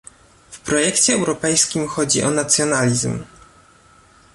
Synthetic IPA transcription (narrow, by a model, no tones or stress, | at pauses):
fpɾɔjɛkt͡ɕɛːwɾɔpɛjskʲimxɔd͡ʑḭʔɔnat̪sʲjɔnalʲizm